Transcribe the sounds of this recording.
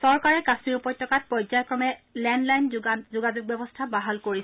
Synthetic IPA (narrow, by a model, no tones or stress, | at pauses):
sɔɹkaɹɛkasmiɹupɔjtʰːɔkat̚pɹɔjzajɔkɹɔmɛlɛndlajnzuɡad͡ʒuɡ̚bɛbɔstʰabaɦalkoɹisɛ